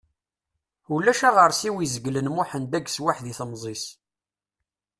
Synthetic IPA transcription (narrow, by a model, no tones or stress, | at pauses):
ulːæʃæʁəɾˤsiwizəɡlənmʊħənd̪æɡswaħðiθəmzˤis